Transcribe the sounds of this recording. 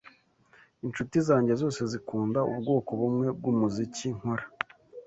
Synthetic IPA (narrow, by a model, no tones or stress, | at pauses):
int͡ʃutizaːɲɟe̞zo̞ːse̞zikuːndaṵbɡo̞ːko̞βumŋe̞b̚ɡumuziciŋ̥hoɾa